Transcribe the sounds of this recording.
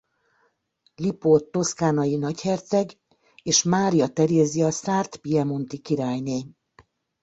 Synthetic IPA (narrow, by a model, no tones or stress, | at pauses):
lipot̪ːo̞skaːnɒjinɒchɛrt̪sɛɡ | eːʃmaːɾijɒt̪ɛɾeːziɒsaːrt̪piɛmo̞nt̪ikiɾaːjneːɲ